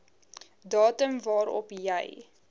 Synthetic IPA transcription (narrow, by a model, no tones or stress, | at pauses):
dɑːtəmvɑːɾɔ̰pjəj